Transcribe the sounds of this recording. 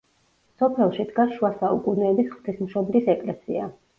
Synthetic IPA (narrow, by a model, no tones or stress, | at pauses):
sɔpʰɛlˠʃid̪ɡasʃuasaukʼunɛːbisχt̪ʰismʃɔblisɛkʼlɛsḭa̰